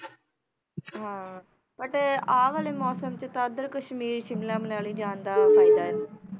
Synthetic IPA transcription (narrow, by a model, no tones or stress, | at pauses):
ɦãː | pəʈaːʋaːleːmɔːsəmt͡ʃət̪ãːəd̪əɾkəʃmiːɾʃɪmlãːməlaːliːd͡ʒãːnd̪aːpʰaːid̪aːɛː